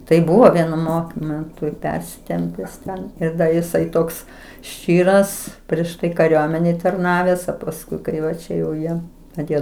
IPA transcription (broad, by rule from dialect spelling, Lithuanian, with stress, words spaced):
tɐɪ ˈbʊʋoː ˈʋʲiɛnʊ ˈmoːkmʲɛntʊ ɪ ˈpʲɛrʲsʲɪtʲɛmʲpʲɛs ˈtʲɛn ɪr ˈdɐ jɪˈsɐɪ ˈtoːks ˈʃʲt͡ʃʲiːrɐs pʲrʲiɛʃ ˈtɐɪ kɐˈrʲuɔmʲɛnʲeːj tɐrˈnɑːʋʲɛs oː pɐsˈkʊɪ ˈkɐɪ ʋɐ ˈt͡ʃʲɛ jɛʊ ˈjiɛ ɐˈtʲeːjoː